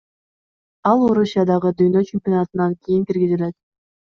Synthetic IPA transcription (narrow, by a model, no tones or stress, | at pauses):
ɑlˠoɾusʲjɑd̪ɑʁɯd̪yjnø̞t͡ɕemʲpʲjonɑt̪ɯnɑŋkʲijiŋkiɾɡʲizile̞t̪